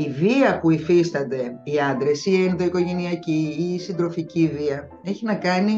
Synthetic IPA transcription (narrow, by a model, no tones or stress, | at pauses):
iviɐpuifist̪ɐnd̪e̞iɐnd̪ɾe̞sienðo̞iko̞ʝe̞niɐciːsind̪ɾo̞ficiviɐ | e̞çinɐkɐni